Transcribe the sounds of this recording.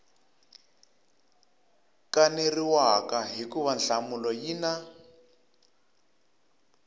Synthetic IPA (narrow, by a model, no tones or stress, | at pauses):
kaneriwakaɦikuβanɬamulɔjina